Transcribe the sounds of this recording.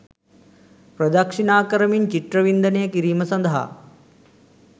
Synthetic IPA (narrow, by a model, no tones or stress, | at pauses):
pɾɐd̪ɐkʂinaːkɐɾɐmiɲt͡ʃit̪ɾɐʋind̪ɐnejɐkiɾiːmɐsɐnd̪ɐɦa̰